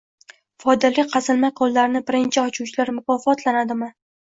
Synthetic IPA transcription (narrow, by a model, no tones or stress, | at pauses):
fɒjd̪alɪqʰɑzɪlmajqʰɒlˠːaɾɪnɪbɪɾɪnt͡ʃʰɪɒt͡ʃʰuwt͡ʃʰɪlaɾmʊkʰɒfɒt̪lanad̪ɪmɪ